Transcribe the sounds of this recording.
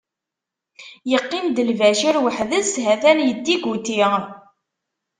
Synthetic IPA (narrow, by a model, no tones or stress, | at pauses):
jəqːind̪əlvæʃiɾwəħðəshæθænjəd̪ːiɡut̪i